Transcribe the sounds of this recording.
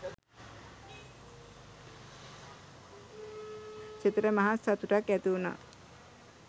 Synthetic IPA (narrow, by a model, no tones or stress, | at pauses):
t͡ʃit̪ɾəmaɦasat̪uʈakæt̪iuna̰